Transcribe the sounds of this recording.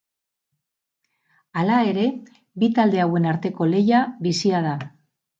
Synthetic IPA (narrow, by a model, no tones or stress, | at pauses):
alae̞ɾe̞ | bit̪ald̪e̞awe̞naɾt̪e̞ko̞le̞jaβisiað̞a